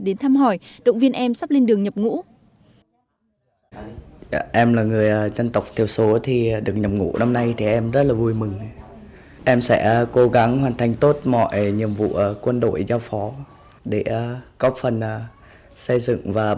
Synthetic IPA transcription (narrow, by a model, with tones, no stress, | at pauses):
ɗe˨˦nt̪ʰaː˧mɦɔ˨˩jɗə̰˧˨wŋ͡mvi˧ənʔɛ˧msa˦˥p̚le˧nɗɨ˨˩əŋɲə˨˩p̚ŋṵ˧˥ | ʔɛ˧mlaː˨˩ŋɨ˨˩əjzə˧nt̪ə˨˩wk͡p̚t̪ʰi˨˩əwso˨˦t̪ʰi˨˩ɗɨ˨˩ək̚ɲə˨˩p̚ŋṵ˧˥na˧mna˧jt̪ʰi˨˩ʔɛ˧mzə˦˥t̚laː˨˩vu˧jmɨ˨˩ŋ | ʔɛ˧msɛ̰˧˥ko˨˦ɣa˨˦ŋɦwaː˨˩nt̪ʰa˨˩jŋ̟t̪o˦˥t̚mɔ̰˧˨jɲḭ˨˩əmvṵ˧˨kwə˧nɗo̰˧˨jzaː˧wfɔ˨˦ | ɗe˧˩ɣɔ˦˥p̚fə˨˩n˨˩ | sə˧jzɨ̰˧˨ŋvaː˨˩